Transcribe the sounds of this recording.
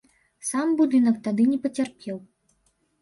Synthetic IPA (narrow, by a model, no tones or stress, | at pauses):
sambud̪ɨnɐkt̪ad̪ɨnʲɛpɐt͡sʲarpʲɛw